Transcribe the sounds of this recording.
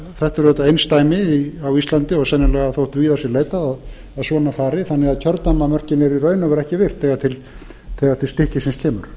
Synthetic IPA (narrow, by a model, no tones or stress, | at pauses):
θɛht̪ɛɾɛt̪ːaejnst̪aːjmɪiawist̪lant̪ɪɔɣsɛnːɪlɛɣaθowht̪viːðasjɛɾleːjt̪aðað | aðsɔːnafaːɾɪθanːɛɣaðcʰœɾt̪namamœr̥cɪnɪɾirœːɥnavɛɾɛhcɪvɪr̥θɛːɣat̪ʰɪl | θɛɣat̪ʰɪst̪ɪhcɪsɪnscʰɛːmʏɾ̥